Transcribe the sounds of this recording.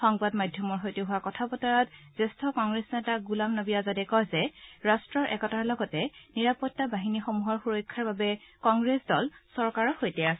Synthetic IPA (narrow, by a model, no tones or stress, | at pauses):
xɔŋbadmadʱjɔmɔɹɦojteɦʊwakɔtʰabɔtɔɹatz̥estʰɔkɔŋɡɹesɔnɛtaɡulamnobijazadɛkɔjzɛɹastɹɔɹʔɛ̰kɔtaɹlɔɡɔtɛniɹapɔtːabaɦinixomuɦɔɹxuɹɔjkʰːaɹbabɛkɔŋɡɹesdɔlsɔɹkaɹɔxojtɛas